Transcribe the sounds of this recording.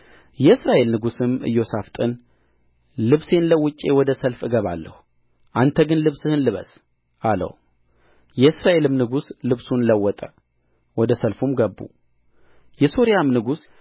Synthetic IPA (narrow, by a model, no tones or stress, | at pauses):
jɛɨsɾaʔe̞lnɨɡusɨmɨ̰jːo̞saft̪ʼɨn | lɨβse̞nləwːʊt͡ʃʼːe̞wɔd̪əsəlfɨɡəβa̰lːə̰hu | ʔant̪ʰəɡɨnlɨβsɨhɨnlɨβə̰s | ʔalə̰w | jɛɨsɾaʔe̞lɨmnɨɡuslɨβsunləwːɔt̪ʼə | wɔd̪əsəlfumɡəbːṵ | jɛso̞ɾijamnɨɡus